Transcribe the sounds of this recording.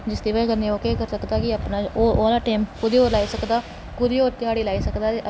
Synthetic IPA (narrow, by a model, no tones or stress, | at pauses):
d͡ʒɪsd̪iːʋaːkəɾniːoːkeːkəɾsəkd̪aːkɪaːpnaːoːoːlaːʈaːmkʊd̪iːoːɾlaːiːsəkd̪aː | kʊɾiːoːt̪ɪɦaːɽiːlaːiːsəkd̪aː